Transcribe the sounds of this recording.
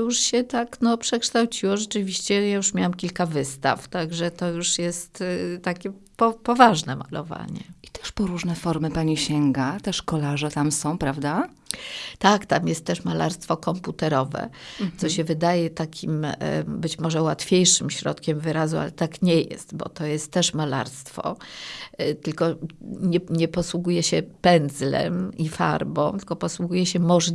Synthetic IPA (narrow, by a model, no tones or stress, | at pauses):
juʂɕɛt̪aknɔpʂɛkʂt̪awt͡ɕiwɔʐɛt͡ʂɘvʲiɕt͡ɕɛjajuʂmʲjawamkʲilkavɘst̪a̰ft̪aɡʐɛt̪ɔjuʂjɛst̪t̪akʲɛ | pɔpɔvaʐnɛma̰lɔ̰va̰ɲɛi̥t̪ɛ̥ʂpɔɾuʐnɛfɔɾmɘpaɲiɕɛŋɡat̪ɛʂkɔlaʐɛt̪amsɔ̃w̃pɾavd̪a | t̪akt̪amjɛst̪ːɛʂmala̰ɾst̪fɔkɔmput̪ɛɾɔvɛ̰t̪sɔɕɛvɘd̪ajɛt̪akʲʰimbɘt͡ɕmɔʐɛwat̪fʲjejʂɘmɕɾɔ̰t̪kʲɛmvɘɾazua̰lɛt̪akɲɛjɛ̰st̪bɔ̰t̪ɔjɛst̪ːɛʂmala̰ɾst̪fɔ̰ | t̪ɘlkɔɲɛɲɛpɔswuɡujɛɕɛpɛnzlɛ̰mifa̰ɾbɔ̰̃w̃t̪ɘlkɔpɔswuɡujɛɕɛmɔʐ